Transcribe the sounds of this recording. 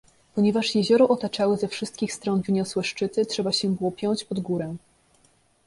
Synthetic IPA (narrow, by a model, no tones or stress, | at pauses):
pɔɲɛvaʂjɛʑɔɾɔʔɔt̪at͡ʂawɘzɛfʂɘst̪̚kʲixst̪ɾɔnvɘɲɔswɛʂt͡ʂɘt̪ɘtʂɛbaɕɛbɘwɔpʲjɔɲt͡ɕpɔd̪ɡuɾɛ